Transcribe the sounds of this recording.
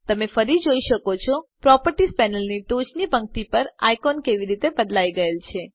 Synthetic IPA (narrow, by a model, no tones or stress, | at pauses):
t̪əmefəɾid͡ʒoiʃəkot͡ʃʰɔpɾɔpəɾʈispɛnəlniʈot͡ʃnibʱə̃ŋɡt̪ipəɾa̰jkɔnkeʋiɾit̪ebəd̪laiɡəelt͡ʃʰe